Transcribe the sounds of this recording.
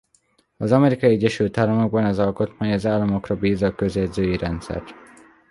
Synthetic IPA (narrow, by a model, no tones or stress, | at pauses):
ɒzɒmɛɾikɒiɛɟːɛʃylt̪aːlɒmo̞ɡ̚bɒnɛzɒlko̞t̪maːɲɒzaːlːɒmo̞krɒbiːzɒkø̞zɛd̪zøːjiɾɛnt̪sɛ̰rt̪